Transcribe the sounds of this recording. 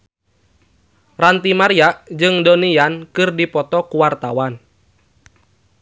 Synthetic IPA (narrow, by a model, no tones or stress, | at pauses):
rant̪imaɾiaʔd͡ʒɨŋdoniankɨrdipɔt̪ɔkuwart̪awan